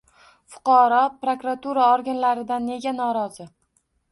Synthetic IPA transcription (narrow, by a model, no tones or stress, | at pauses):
fʊ̥qʰɑɾɒpɾokɾat̪ʰuɾaɒɾɡʲanlaɾɪd̪anːe̞ɡʲanɒɾɒzɪ